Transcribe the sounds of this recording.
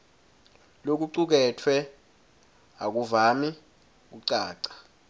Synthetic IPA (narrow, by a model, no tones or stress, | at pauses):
lok̬uǀuk̬ɛtʰwɛ | ak̬uvami | k̬uǀaːǀḁ